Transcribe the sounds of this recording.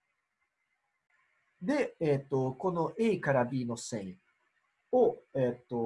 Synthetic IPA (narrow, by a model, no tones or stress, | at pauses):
d̪eet̪ːoko̞no̞ʔeikaɾabʲiːno̞sẽŋĩ | oet̪ːo